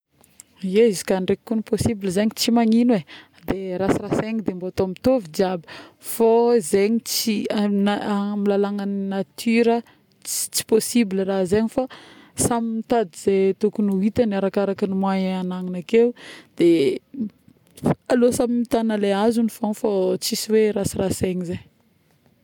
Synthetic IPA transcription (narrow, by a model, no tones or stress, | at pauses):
eizi̥kaɳɖ͡ʐekkːuniposibilizeɲit͡simaɲinwe | d̪eɾasiraseŋid̪embot̪omit̪ovid͡ʒabə̥ | fozeɲit͡sinamilalaŋəninat̪ʰyɾə | t͡si̥t͡si̥posibilərazeɲifa | samimit̪ad̪iz̥et̪okunuit̪anaɾakaɾakənimwajanaŋinakeud̪̥e | alosamimit̪anəleazunifoŋfot͡sisiweɾasiraseŋizej